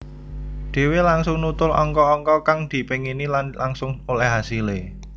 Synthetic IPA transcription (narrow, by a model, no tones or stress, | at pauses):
d̪̥e̤welaŋsʊŋnut̪ʊlɔ̰ŋkɔːŋkɔkaŋd̪̥i̤peŋinilanlaŋsʊŋmulɛɦasile